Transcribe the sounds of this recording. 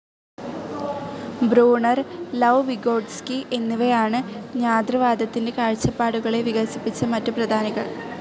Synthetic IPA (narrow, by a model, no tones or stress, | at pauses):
bɾuːɳɐrlɐwʋiɡo̞ːɖskiʔe̞nːuʋe̞jaːɳɨɲaːd̪rɐʋaːd̪ʱɐt̪ːinde̞kaːɻt͡ɕːɐpːaːɽuɣɐɭe̞ʋiɣɐsipːit͡ɕːɐmɐtːuprɐd̪ʱaːnɐɣɐ